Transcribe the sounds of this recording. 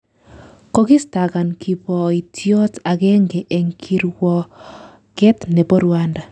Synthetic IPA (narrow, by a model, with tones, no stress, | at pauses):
ko˦ki˦sta˨ka˨nki˨pɔ˨i˨tʰjɔ˦ta˨kɛ˦ŋɡɛ˨ʔe˨ŋkʰi˦ɾwɔ | kɛ˦tne˨bɔ˦ɾwa˦nda˨